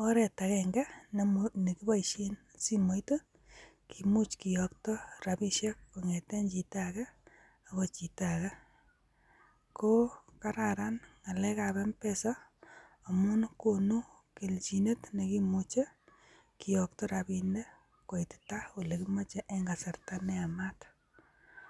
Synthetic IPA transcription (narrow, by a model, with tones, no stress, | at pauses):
ɔ˦ɾɛ˨takɛŋɡa˦ | ne˨ki˦ba˦iʃi˦n | si˦mo˦jto˦ | kʰimu˦t͡ʃki˨jɔk̚tɔ˦rapi˦ʃje˦kːo˨ŋɛte˦nt͡ʃi˨taka˦ | a˨kot͡ʃi˨taka˦ | ko˦ka˦ɾaɾanŋa˨lɛ˦kabɛ˦mpesɔ˦ | amʊ˦nkonu˦ | ki˨lt͡ʃi˨ne˦tnekimut͡ʃe˦ | kijɔk̚tɔ˦ɾapi˧nde˦ | ko˨jttao˨lekima˦t͡ʃeʔeŋɡa˨sa˨rtanɛ˦amat